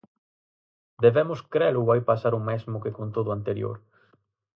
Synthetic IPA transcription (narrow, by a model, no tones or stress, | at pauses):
d̪eβɛmʊskɾɛlʊβajpasaɾʊmɛzmʊkekont̪oðʊant̪eɾjo̰ɾ